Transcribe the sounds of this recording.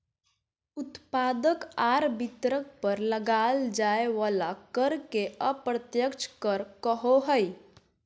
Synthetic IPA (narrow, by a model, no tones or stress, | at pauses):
ut̪pad̪əkaɾbit̪ɾək̚pəɾləɡald͡ʒaeʋalakəɾkeəpɾət̪jəkt͡ʃʰkəɾkəɦoɦəj